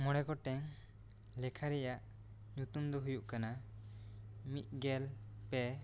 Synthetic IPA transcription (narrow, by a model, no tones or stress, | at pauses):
mɔɽɛkɔʈɛŋ | lɛkʰaɾɛjaʔ | nut̪umd̪ɔɦujuʔkana | mit̪̚ˀɡɛlpɛ